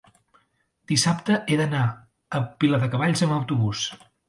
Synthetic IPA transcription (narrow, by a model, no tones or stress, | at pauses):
d̪̥isapt̪əʔeðəna | əpiləðəkəβaʎzəməwt̪uβus